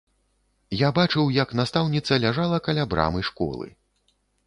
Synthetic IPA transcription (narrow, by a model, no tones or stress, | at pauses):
jabat͡ʂɨwjɐknast̪awnʲit̪sɐlʲaʐalˠɐkɐlʲabɾa̰mɨʂkɔ̰lˠɨ̰